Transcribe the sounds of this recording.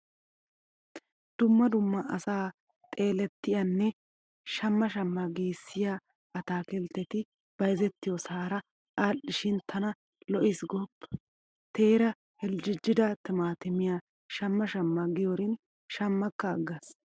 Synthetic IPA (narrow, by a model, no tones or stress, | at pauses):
d̪̥ʊmːɐd̪ʊmːɐʔɐsaː | t̪ʼe̞ːlɛt̪ːɪjɐnːɛ | ʃɐmːɐʃɐmːɐɡiːsːɪja | ɐt̪aːkɛlt̪ːɛt̪ɪ | b̥ɐjzɛt̪ːɪjɔsaːɾɐ | ʔaːʔɪʃɪnt̪ʰɐnɐ | lɔʔɪsɡɔbː | t̪eːɾɐ | hɛld͡ʒɪd͡ʒːɪd̪ɐt̪ɪmaːt̪ɪmɪja | ʃɐmːɐʃɐmːɐɡɪjɔɾɪn | ʃɐmːɐkːɐːɡːɐs